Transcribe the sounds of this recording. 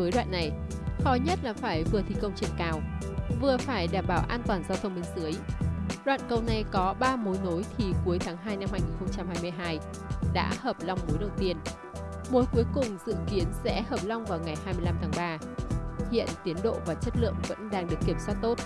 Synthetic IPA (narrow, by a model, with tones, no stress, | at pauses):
əː˨˦jɗwa̰ː˧˨nːa˨˩j | xɔ˨˦jɲə˦˥t̚laː˨˩faː˧˩jvɨ˨˩ət̪ʰi˨˩kə˧wŋ͡mt͡ɕḭ˨˧˩ŋkaː˧˩w | vɨ˨˩əfaː˧˩jɗaː˧˩mɓaː˧˩wʔaː˧nt̪waː˨˩nzaː˧wt̪ʰə˧wŋ͡mmi˧˩ŋsɨ˨˦əjɗwa̰ː˧˨nkə˧wna˨˩jkɔ˨˦ɓaː˧mo˨˦jno˨˦jt̪ʰi˨˩ku˨˦əjt̪ʰaː˨˦ŋɦaː˧jna˧mhaː˧jŋi˨˩nxə˧wŋ͡mt͡ɕa˧mhaː˧jmɨ˧əjɦaː˧j | ɗa̰ː˧˥həː˨˩p̚la˧wŋ͡mno˨˦jɗə˨˩wt̪i˧ən | ɓo˨˦jku˨˦əjkʊ˨˩ŋ͡mzɨ̰˧˨ki˨˦ənsɛ̰˧˥həː˨˩p̚la˧wŋ͡mvaː˨˩wŋa˨˩jhaː˧jmɨ˧əjla˧mt̪ʰaː˨˦ŋɓaː˧ | hḭ˧˨ənt̪i˨˦ənɗo̰˧˨vaː˨˩t͡ɕə˦˥t̚lɨ̰˧˨əŋvə̰˧˥nɗaː˧ŋɗɨ˨˩əkːi˧˩əmswaː˦˥t̚t̪o˦˥t̚